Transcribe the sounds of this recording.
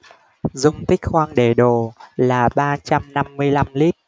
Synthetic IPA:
zʊ̰˧˨wŋ͡mt̪ï˦˥k̟̚xwaː˧ŋɗe˧˨˩ɗo˨˩laː˨˩ɓaː˧t͡ɕa˧mna˧mːɨ˧əjla˧mli˦˥p̚

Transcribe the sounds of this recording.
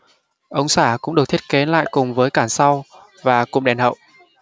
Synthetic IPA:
ʔə˧wŋ͡msaː˧˩kʊ̰˧˥ŋ͡mɗɨ˨˩k̚t̪ʰi˦˥ke˨˦la̰ː˧˨jkʊ˨˩ŋ͡mvəː˨˦jkaː˧˩nsa˧w | vaː˨˩kʊ̰˨˧˨ŋ͡mɗɛ˨˩nhə̰˧˨wʔ

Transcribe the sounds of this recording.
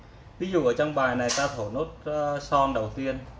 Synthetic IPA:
vi˨˧˥zu˨˩ʔəː˧˩t͡ɕɔ˧wŋ͡mɓaː˨˩jna˨˩jt̪aː˧t̪ʰo˧˩no˦˥t̚sɔ˧nɗə˨˩wt̪i˧ən

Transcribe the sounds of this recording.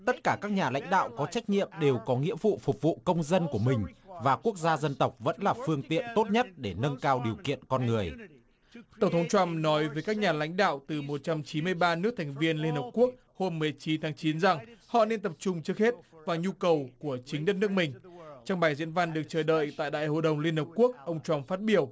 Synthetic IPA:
t̪ə˦˥t̚kaː˧˩kaː˦˥k̚ɲaː˨˩la̰˧˥jŋ̟ɗa̰ː˧˨wkɔ˨˦t͡ɕa˦˥jk̟̚ɲḭ˧˨əmɗe˨˩wkɔ˨˦ŋḭ˧˥əfṵ˧˨fʊ˨˩k͡p̚vṵ˧˨kə˧wŋ͡mzə˧nku˧˩əmï˨˩ŋ̟vaː˨˩ku˦˥ək̚zaː˧zə˧nt̪ə˨˩wk͡p̚və̰˧˥nlaː˨˩fɨ˧əŋt̪ḭ˧˨ənt̪o˦˥t̚ɲə˦˥t̚ɗe˧˩nə˧nkaː˧wɗi˨˩əwkḭ˧˨ənkɔ˧nŋɨ˨˩əj | t̪ə˧˩ŋ͡mt̪ʰŋ͡mt͡ɕwa˧mnɔ˨˦jvəː˨˦jkaː˦˥k̚ɲaː˨˩la̰˧˥jŋ̟ɗa̰ː˧˨wt̪ɨ˨˩mo˨˩t̚t͡ɕa˧mt͡ɕi˨˦mɨ˧əjɓaː˧nɨ˦˥k̚t̪ʰɛ˨˩ŋ̟vi˧ənli˧ənhəː˨˩p̚ku˦˥ək̚ | ho˧mːɨ˨˩ə˩jt͡ɕi˨˦nt̪ʰaː˨˦ŋt͡ɕi˨˦nza˨˩ŋhɔ̰˧˨ne˧nt̪ə˨˩p̚t͡ɕʊ˧ŋ͡mt͡ɕɨ˦˥ək̚he˦˥t̚vaː˨˩ɲu˧kə˨˩wku˧˩ət͡ɕï˨˦ŋ̟ɗə˦˥t̚nɨ˦˥ək̚mï˨˩ŋ̟t͡ɕɔ˧wŋ͡mɓaː˨˩jzḭ˧˥ənva˧nɗɨ˨˩ək̚t͡ɕəː˧˩ɗə̰ː˧˨jt̪a̰ː˧˨jɗa̰ː˧˨jho̰˧˨jɗə˨˩wŋ͡mli˧ənhə˨˩p̚ku˦˥ək̚ʔə˧wŋ͡mt͡ɕwa˧mfaː˦˥t̚ɓi˧˩əw

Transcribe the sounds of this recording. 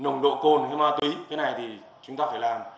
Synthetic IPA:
nə˨˩wŋ͡mɗo̰˧˨ko˧nha˧jmaː˧t̪wi˨˦t̪ʰe˨˦na˨˩jt̪ʰi˨˩ | t͡ɕʊ˨˦ŋ͡mt̪aː˧faː˧˩jlaː˨˩m

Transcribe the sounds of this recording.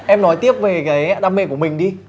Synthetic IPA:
ʔɛ˧mnɔ˨˦jt̪i˦˥əp̚ve˨˩kaː˨˦jɗaː˧mḛ˧ku˧˩əmï˨˩ŋ̟ɗi˧

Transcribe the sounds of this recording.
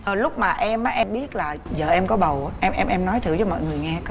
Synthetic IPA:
əː˨˩lʊ˦˥k͡p̚maː˨˩ʔɛ˧mʔaː˨˦ʔɛ˧mɓi˦˥ət̚laː˨˩zəː˨˩ʔɛ˧mkɔ˨˦ɓə˨˩wːʔɛ˧mʔɛ˧mʔɛ˧mnɔ˨˦jt̪ʰɨ˧˨wt͡ɕɔ˨˦mɔ̰˧˨jŋɨ˨˩əjŋɛ˧k

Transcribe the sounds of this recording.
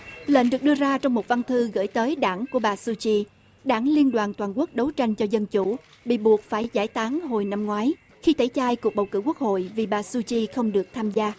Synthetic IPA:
lə̰ː˧˨nɗɨ˨˩k̚ɗɨ˧əzaː˧t͡ɕɔ˧wŋ͡mmo˨˩t̚va˧nt̪ʰɨ˧ɣə̰˧˩jt̪əː˨˦jɗaː˧˩ŋku˧˩əɓaː˨˩su˧t͡ɕi˧ | ɗaː˧˩ŋli˧ənɗwaː˨˩nt̪waː˨˩nku˦˥ək̚ɗə˨˦wt͡ɕa˧jŋ̟t͡ɕɔ˧zə˧nt͡ɕu˧˩ | ɓḭ˧˨ɓu˨˩ək̚faː˧˩jzaː˧˩jt̪ʰaː˨˦ŋɦo˨˩jna˧mŋwaː˨˦j | xi˧t̪ʰə˧˩˦jt͡ɕaː˧jku˨˩ək̚ɓə˨˩wkɨ̰˧˥ku˦˥ək̚ho̰˧˨jvi˨˩ɓaː˨˩su˧t͡ɕi˧xə˧wŋ͡mɗɨ˨˩ək̚t̪ʰaː˧mzaː˧

